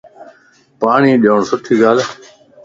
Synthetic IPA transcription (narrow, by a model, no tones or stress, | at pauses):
paːɳiːɗɪjoːɳsʊʈʰiːɡaːl